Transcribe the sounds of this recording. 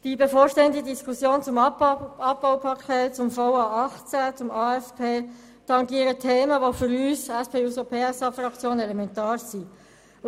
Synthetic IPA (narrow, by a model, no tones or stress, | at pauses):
d̥ibefoːɾʃtɛːəndədiskusjoːnt͡sʊmɑb̚baʊpʰɑkʰeːt̚t͡sʊmfoʊɑːɑχt͡sæt͡sʊmɑːɛspʰeː | t̪ɑŋɡiəɾətʰeːməʋofʏɾyːsɛspʰeːusopʰeːɛsɑːfrɑkt͡sjoːnɛlɛmɛntɑːɾsi